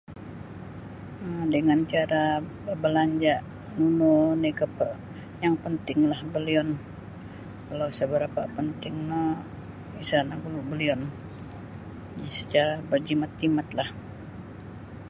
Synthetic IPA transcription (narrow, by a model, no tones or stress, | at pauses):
ədəŋant͡ʃaɾa | əbəlaɲd͡ʒaʔ | nununikəpə | jaŋpənt̪ɪŋlahbəliɔn | kalawsəbəɾapapənt̪ɪŋna | isanaɡulubəliɔn | nasə̥t͡ʃaɾabərd͡ʒimat̪̚d͡ʒimat̪lah